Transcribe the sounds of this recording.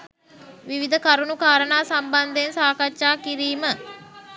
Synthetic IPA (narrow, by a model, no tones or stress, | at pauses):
ʋiʋid̪əkaɾunukaːɾənaːsamband̪əensaːkatːʃaːkiɾiːmə